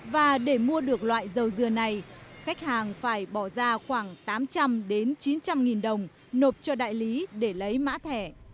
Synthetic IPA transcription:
vaː˨˩ɗe˧˩mu˧əɗɨ˨˩ək̚lwa̰ː˧˨jzə˨˩wzɨ˨˩əna˨˩jxa˦˥k̚haː˨˩ŋfaː˧˩jɓɔ˧˩zaː˧xwaː˧˩ŋt̪aː˨˦mt͡ɕa˧mɗe˨˦nt͡ɕi˨˦nt͡ɕa˧mŋi˨˩nɗə˨˩wŋ͡m | no˨˩p̚t͡ɕɔ˧ɗa̰ː˧˨jli˨˦ɗe˧˩lə˨˦jma̰ː˧˥t̪ʰɛ˧˩

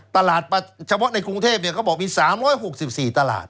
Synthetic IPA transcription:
t̪a˧laː˨˩t̪̚pa˧t͡ɕʰa˧pʰɔ˦˥na˧jkɾu˧ŋt̪ʰeː˥˩p̚ni˥˩kʰaː˥˩bɔː˨˩k̚miː˧saː˨˩˦mɾɔː˦˥jɦo˨˩k̚si˨˩p̚siː˨˩t̪a˧la̰ː˨˩t̪̚

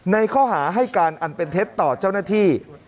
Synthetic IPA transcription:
na˧jkʰɔː˥˩ɦaː˩˦ɦa˥˩jkaː˧nʔa˨˩npe˧nt̪ʰe˦˥t̪ːɔː˨˩t͡ɕa˥˩wnaː˥˩t̪ʰiː˥˩

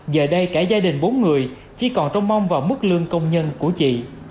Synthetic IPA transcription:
ɣəː˨˩ɗə˧jkaː˧˩zaː˧ɗï˨˩ŋ̟ɓo˨˦nŋɨ˨˩əj | t͡ɕi˧˩kɔ˨˩nt͡ɕɔ˧wŋ͡mma˧wŋ͡mvaː˨˩wmɨ˦˥k̚lɨ˧əŋkə˧wŋ͡mɲə˧nku˧˩ət͡ɕḭ˧˨

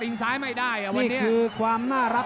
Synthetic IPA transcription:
i˧ŋsaː˦˥jma˥˩jdaː˥˩jʔa˨˩wniː˧˥˩nːi˩˦˥kʰɯː˧kʰwaː˧mnaː˥˩ɾa˦˥

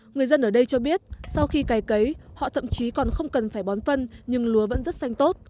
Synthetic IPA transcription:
ŋɨ˨˩əjzə˧nʔəː˧˩ɗə˧jt͡ɕɔ˧ɓi˦˥ət̚sa˧wxi˧kaː˨˦jkə˨˦jhɔ̰˧˨t̪ʰə̰˧˨mt͡ɕi˨˦kɔ˨˩nxə˧wŋ͡mkə˨˩nfaː˧˩jɓɔ˨˦nfə˧nɲɨ˧ŋlu˨˦əvə̰˧˥nzə˦˥t̚sa˧jŋ̟t̪o˦˥t̚

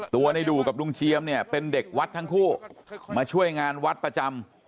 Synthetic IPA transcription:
t̪u˧ɐna˧jduː˨˩ka˨˩p̚nu˧ŋt͡ɕʰi˧əmni˥˩ɐpe˧nde˨˩k̚wa˦˥t̪̚ʰːa˦˥ŋkʰuː˥˩maː˧t͡ɕʰu˥˩əjŋaː˧nwa˦˥t̪̚pɾa˧t͡ɕa˧m

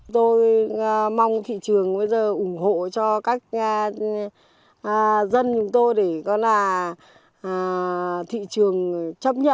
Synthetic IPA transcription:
ŋ͡mt̪o˧j | ma˧wŋ͡mt̪ʰḭ˧˨t͡ɕɨ˨˩əŋɓə˧jzəː˨˩ʔʊ˧˩ŋ͡mho̰˧˨t͡ɕɔ˧kaː˦˥k̚ː | zə˧nt͡ɕʊ˨˦ŋ͡mt̪o˧jɗe˧˩kɔ˨˦nlaː˨˩˨ | t̪ʰḭ˧˨t͡ɕɨ˨˩əŋt͡ɕə˦˥p̚ɲə̰˧˨

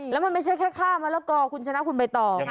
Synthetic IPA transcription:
lɛː˦˥wma˧nma˥˩jt͡ɕʰa˦˥˩jkʰɛː˥˩kʰaː˥˩maː˧lɛː˦˥˩wkɔː˧˩kʰu˧nt͡ɕʰa˧na˦˥ʔkʰu˧npa˧jt̪ɔː˨˩

